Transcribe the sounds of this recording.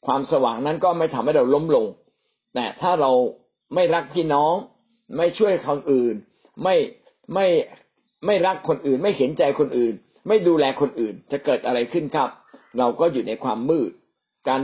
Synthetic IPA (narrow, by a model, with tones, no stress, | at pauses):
kʰwaː˧msa˧wa̰ː˩˦ŋna˦˥nkɔː˥˩ma˥˩jt̪ʰa˧mha˥˩jɾa˧wlo˦˥mlo˧ŋ | nɛ˧˩t̪ʰaː˥˩ɾa˧w | ma˥˩jɾa˦˥k̚pʰiː˥˩nɔː˦˥˩ŋ | ma˥˩jt͡ɕʰu˥˩əkʰa˧nʔɯː˨˩n | ma˥˩j | ma˥˩j | ma˥˩jɾa˦˥kʰːo˧nʔɯː˨˩nma˥˩jhe˩˦nt͡ɕa˧jkʰo˧nʔɯː˨˩n | ma˥˩jduː˧lɛː˧kʰo˧nʔɯː˨˩nt͡ɕa˨˩kɤː˨˩t̪ʔa˧ɾa˧jkʰɯ˥˩nkʰa˦˥p̚ɾa˧wkɔː˥˩juː˨˩na˧jkʰwa̰ː˧mːɯː˥˩t̪̚ | kaː˧n